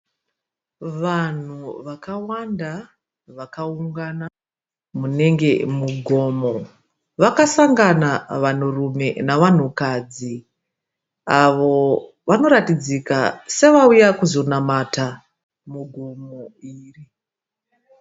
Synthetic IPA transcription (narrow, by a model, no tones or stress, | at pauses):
ʋan̤uʋakawanda | ʋakauŋɡana | mune̞ŋɡe̞muɡʱo̞ːmo | ʋakasaŋɡanaʋan̤urume̞naʋan̤ukad͡zi | aʋo̞ | ʋano̞ɾatid͡zikase̞ʋaujakuzo̞namata | muɡʱumoiːri